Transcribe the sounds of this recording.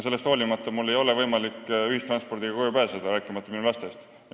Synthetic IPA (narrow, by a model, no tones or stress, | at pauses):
se̞lːe̞st̪ho̞ːlʲimɑt̪ˑːɑmulːe̞jo̞le̞vɤjmɑlikːyhist̪ɾrɑnspo̞rd̪iɡ̥ɑkojupæːsɑd̪̥ɑɾæːkːˑimɑt̪ːɑminulɑst̪e̞st̪